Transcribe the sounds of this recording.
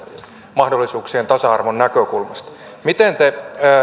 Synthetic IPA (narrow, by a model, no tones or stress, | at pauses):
mɑhdolːisuːksient̪ɑsɑɑrʋonnækøkulmɑst̪ | mit̪ent̪e